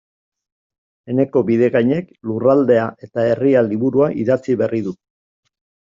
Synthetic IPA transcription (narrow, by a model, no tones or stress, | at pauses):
e̞ne̞ko̞biðe̞ɣajɲe̞klurald̪e̞aʔe̞t̪ae̞rialiβuɾuaʔiðat͡siβe̞rið̞u